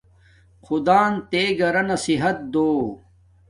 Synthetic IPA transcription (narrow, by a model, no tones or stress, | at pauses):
xud̪aːnt̪eːɡɐɾɐnɐsiɦɐt̪̚d̪oː